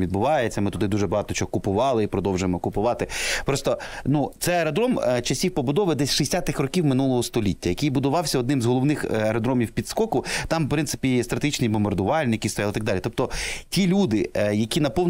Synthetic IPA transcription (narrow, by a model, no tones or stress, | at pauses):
ʋʲid̪bʊʋɑjet͡sʲːɐmɪt̪ʊd̪ɪd̪uʒɛbɐɦɑt̪ɔt͡ʃɔɔkʊpʊʋɑlˠɪipɾɔd̪ɔwʒʊjemɔkʊpʊʋɑt̪ɪpɾɔst̪ɔnut̪sɛɐɾɐd̪ɾɔmt͡ʃɐsʲiwpɔbʊd̪ɔʋɪd̪ɛsʲʃisʲat̪ɪxrɔkʲiwmɪnulˠɔɦɔst̪ɔlʲitʲːɐjɐkɪjbʊd̪ʊʋɑwsʲɐɔd̪nɪmzɦɔlˠɔʋnɪxeɾɐd̪ɾɔmʲiwpʲid̪skɔkʊt̪ɑmpɾɪnt̪sɪ̥pʲist̪ɾɐt̪eɦit͡ʃnʲibɔmbɐrd̪ʊʋɑlʲnʲiɪkʲist̪ɔjɑlˠɪt̪ɐɡd̪ɑlʲit̪ɔp̚t̪ɔtʲilʲud̪ɪjɐkʲinɐpɔʋn